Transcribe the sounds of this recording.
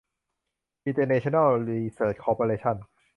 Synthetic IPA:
ʔi˧nt̪əː˧ne˧t͡ɕʰo˧na˥˩lɾi˧səː˩t͡ɕ̚kʰɔː˧pʰo˧ɾeː˧t͡ɕʰa˥˩n

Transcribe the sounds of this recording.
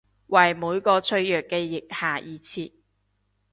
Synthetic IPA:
wɐ˨jmuː˨˧˥jkɔː˧t͡sʰɵ˧ɥjœː˨˩kːɛː˧jɪ˨k̚haː˨˩jʔiː˨˧t͡sʰiː˧t̚

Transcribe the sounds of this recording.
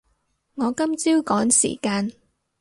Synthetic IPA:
ŋɔː˨˧kɐ˥mt͡siː˥wkɔː˨˥ŋsḭː˨˩kaː˧n

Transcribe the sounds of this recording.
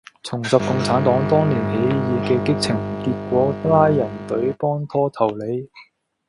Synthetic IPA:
t͡sʰʊ˨˩ŋsɐ˨p̚kʊ˧ŋt͡sʰaː˨˥nt̪ɔː˨˥ŋt̪ɔː˥ŋliː˨˩nhe˨˥jjiː˨˧kɛː˧kɪ˥k̚t͡sʰɪ˨˩ŋ˩kiː˧t̚kʷɔː˨˥laː˥jːɐ˨˩nt̪ɵ˨˥ɥpɔː˥nt̪ʰɔː˥t̪ʰɐ˨˩wle˨˧˥j

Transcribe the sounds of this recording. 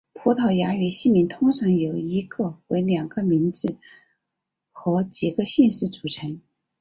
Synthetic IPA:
pʰu˧˥t̪ʰɑ˧˩ʊja˧˥y˨˩ɕi˥˩mi˧˥nt̪ʰʊ˥ŋʰɑ˧˥ŋjo˨˩ʊi˧˥ɡɤ˥˧we˧˥ɪljɑ˨˩ŋɡə˧mi˧˥nt͡sɹ̩˥˩ | xɤ˧˥t͡ɕi˨˩ɡə˧ɕɛ˥˧nʂɻ̩˥˩t͡su̥˨˩ʈ͡ʂʰə˧˥ŋ

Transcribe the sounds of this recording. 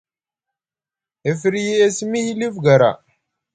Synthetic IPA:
e˨fi˨ɾji˦e˦˨si˦mi˦hi˦li˦fɡa˨ɾa̰˨

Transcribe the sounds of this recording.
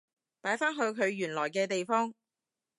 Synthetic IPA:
paː˨˥jfaː˥nɦɵ˨˧ɥkʰɵ˨˧ɥjyː˨˩nlɔː˨˩jkɛː˧t̪e˨jfɔː˥ŋ

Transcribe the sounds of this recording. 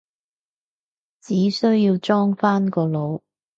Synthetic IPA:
t͡siː˨˥sɵ˥ɥjiː˧wt͡ʃɔː˥ŋfaː˥nkɔː˧lo˨˧w

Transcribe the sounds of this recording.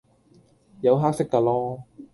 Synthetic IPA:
jɐ˨˧wɦaː˥k̚sɪ˥kːaː˧lɔː˥

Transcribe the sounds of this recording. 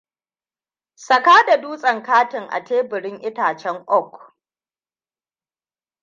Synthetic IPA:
sɐ˨kaː˦da˨duː˦sʼɐ˨ŋkaː˦tɪ˨ŋʔa̰˨teː˦bɪ˨ɽɪ˦ŋʔɪ˦taː˨t͡ʃɛ˦ŋʔɔ˦k

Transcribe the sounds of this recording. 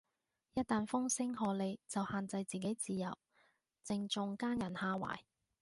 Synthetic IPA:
jɐ˥t̚t̪aː˨nfʊ˥ŋsɪ˥ŋhɔː˨˧le˨˧jt͡sɐ˨whaː˨˧nt͡sɐ˧jt͡siː˨ke˨˥jt͡siː˨˧jɐ̰˨˩w | t͡sɪ˧ŋt͡ʃʊ˧ŋkaː˥njɐ˨˩nhaː˧wa̰ː˨˩j

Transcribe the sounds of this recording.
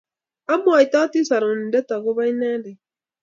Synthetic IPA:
a˦mo˦a˨i˨t̪a˦ti˦sa˨ɾo˨n˨dɛ˦t̪a˨ɣo˦βa˦i˦na˦de˨

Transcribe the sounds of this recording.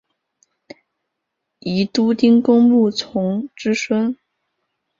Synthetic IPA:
i˧˥t̪u˥t̪i˥ŋkʊ˥ŋmu˥˩t͡sʰʊ˧˥ŋʈ͡ʂɻ̩˥ʂwə˥n

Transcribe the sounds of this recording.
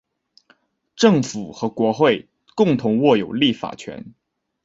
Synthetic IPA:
ʈ͡ʂɤ˥˩ŋfu˨˩xɤ˧˥kwɔ˧˥xwe˥˩ɪ | kʊ˥˩ŋt̪ʰʊ˧˥ŋwɔ˥˩jo˨˩ʊli˥˩fa̰˨˩t͡ɕʰɥɛ̰˧˥n

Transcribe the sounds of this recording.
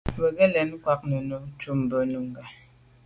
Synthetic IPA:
bə˨ɡə˦lɛ˨n˦kwa˦k̚nə˨no˦t͡ʃu˦m˨bə˨nu˨ŋ˨ɡa˨

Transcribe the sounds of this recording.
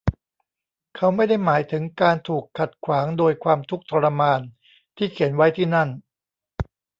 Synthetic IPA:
kʰa˦˥wma˥˩jda˥˩jmaː˩˦jt̪ʰɯ˩˦ŋkaː˧nt̪ʰuː˨˩kʰːa˨˩t̪̚kʰwaː˩˦ŋdoː˧jkʰwaː˧mt̪ʰu˦˥k̚t̪ʰɔ˧ɾa˧maː˧n | t̪ʰiː˥˩kʰe˩˦nwa˦˥jt̪ʰiː˥˩na˥˩n

